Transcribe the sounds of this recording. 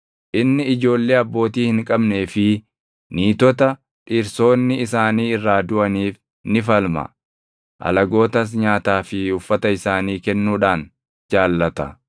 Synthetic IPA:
ʔɪnːɪɪd͡ʒo̞ːlːe̞ːɐbːo̞ːt̪iːhɪŋkʼɐbne̞ːfɪ | niːt̪ɔt̪ɐ | ᶑiːɾso̞ːnːɪɪsaːniːɪrːaːd̪ʊʔɐniːf | nɪfɐlmɐ̰ | ʔɐ̰lɐɡo̞ːt̪ɐs̬ɲaːt̪aːfɪʊfːɐt̪ɐɪsaːniːkɛnːuːᶑaːn | d͡ʒaːlːɐt̪ɐ

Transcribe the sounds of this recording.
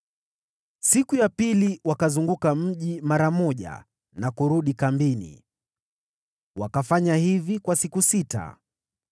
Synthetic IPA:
sikujapiliwakazuŋɡukam̩ʄimaɾamɔʄa̰ | nakuɾuɗikambinḭ | wakafaɲahivikwasikusita̰

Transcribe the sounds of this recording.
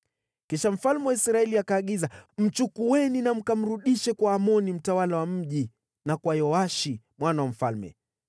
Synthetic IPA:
kiʃam̩falmɛwaisɾaɛliakaːɠizam̩t͡ʃukuɛninam̩kam̩ɾuɗiʃɛkwaːmɔnim̩tawalawam̩ʄi | nakwajɔaʃi | mwanawam̩falmɛ̰

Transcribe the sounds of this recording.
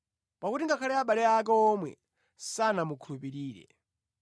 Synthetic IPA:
pakutiŋɡakʰalɛaɓalɛak̬ɛɔmwɛ̰ | sanamukʰulupiɾiːɾɛ̰

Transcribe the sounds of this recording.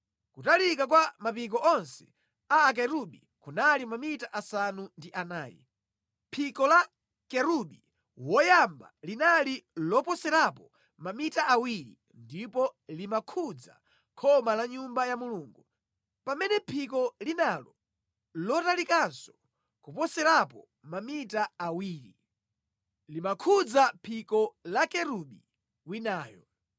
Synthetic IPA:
kutalikak̬wamapik̬ɔʔɔnsɛ̥ | aːk̬ɛɾuɓḭ | kunalimamitaʔasanundiʔanaːjɛ̰ | pʰikɔla | kɛɾuɓi | wɔjamba̰linalilɔpɔsɛɾapɔ | mamitaʔawiɾḭ | ndipɔlimakʰud͡za̰ | kʰɔmalaɲumbajamuluːŋɡu | pamɛnɛpʰikɔlinalɔ | lɔtalikansɔ̥ | kupɔsɛɾapɔ | mamitaːwiːɾḭ | limakʰud͡zapʰikɔlakɛɾuɓi | winaːjɔ

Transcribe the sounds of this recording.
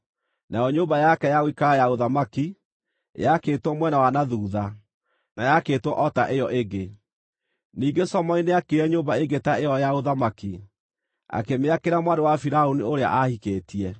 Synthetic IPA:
najɔɲoːmbajakɛjawikajaoðamaki | jakeːtwɔmwɛnawanaðuːða | najaketwɔʔɔtaʔejɔʔeɡe | niːɡesɔmɔineakeɾɛɲoːbaeɡetaejɔjaoðamaki | a̰kemeakeɾamwandowafiɾaonioɾea̰ʔahikeːtiɛ

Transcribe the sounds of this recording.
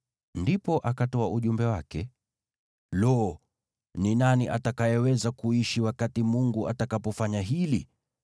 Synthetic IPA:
ndipɔʔakatɔaʔuʄumbɛwakɛ | lɔ | ninaniʔatakajɛwɛzakuiʃiwakatimuŋɡuʔatakapɔfaɲaɦili

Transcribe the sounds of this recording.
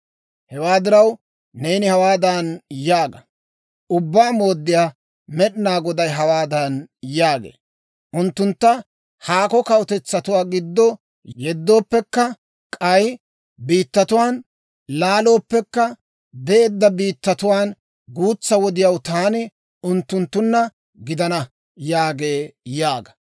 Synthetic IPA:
hɛwaːd̪ɪɾɐw | ne̞ːnɪhɐwaːd̪ɐnjaːɡɐ | ʊbːaːmo̞ːd̪ːɪjaː | mɛɗɪnaːɡɔd̪ɐjɦɐwaːd̪ɐnjaːɡḛː | ʔʊnt̪ːʊnt̪ːɐ | haːkɔkɐwt̪ɛt͡sːɐt̪ʊwaːɡɪd̪ːɔ | jɛd̪ːo̞ːpːɛkːɐ | kʼɐj | biːt̪ːɐt̪ʊwaːn | laːlo̞ːpːɛkːɐ | d̪ɛeːd̪ːɐbiːt̪ːɐt̪ʊwaːn | ɡuːt͡sːɐwɔd̪ɪjɐwt̪aːnɪ | ʊnt̪ːʊnt̪ːʊnːɐ | ɡɪd̪ɐnɐ | jaːɡe̞ːjaːɡɐ̥

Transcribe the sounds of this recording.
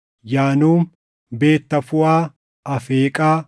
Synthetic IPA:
jaːnuːm | be̞ːt̪ːɐfʊaː | ʔɐfeːkʼaː

